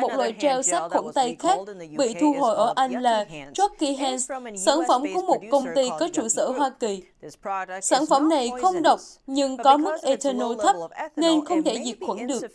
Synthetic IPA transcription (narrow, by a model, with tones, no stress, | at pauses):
mo˨˩t̚lwa̰ː˧˨jt͡ɕɛ˧wsa˦˥k̚xwə̰˧˩nt̪a˧jxaː˦˥k̚ɓḭ˧˨t̪ʰu˧ɦo̰˧˨jʔəː˧˩ʔa˧jŋ̟laː˨˩t͡ɕɔ˦˥kki˧ɦɛ˧nssaː˧˩nfə˧˩mku˧˦mo˨˩t̚kə˧wŋ͡mt̪i˧kɔ˨˦t͡ɕu˧˩sə̰ː˧˩ɦwaː˧ki˨˩ | saː˧˩nfə˧˩mna˨˩jxə˧wŋ͡mɗə˨˩wk͡p̚ɲɨ˧ŋkɔ˨˦mɨ˦˥k̚ʔe˧t̪ʰə˧no˧t̪ʰə˦˥p̚ne˧nxə˧wŋ͡mt̪ʰe˧˩zi˨˩t̚xwə˧˩nɗɨ˨˩ək̚